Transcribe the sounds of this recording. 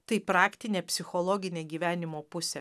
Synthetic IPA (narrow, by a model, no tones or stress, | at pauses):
t̪ɐɪpɾɑːkt̪ʲɪnʲeːpʲsʲɪxoːlˠɔːɡʲɪnʲeːɡʲiːʋʲæːnʲɪmoːpʊsʲe